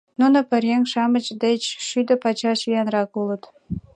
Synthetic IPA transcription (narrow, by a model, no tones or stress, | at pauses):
nunŏpə̆ɾʲeŋʃɑmə̆t͡ɕd̪et͡ɕʃyd̪ə̆pɑt͡ɕɑʃyjɑnrɑkulə̆t̪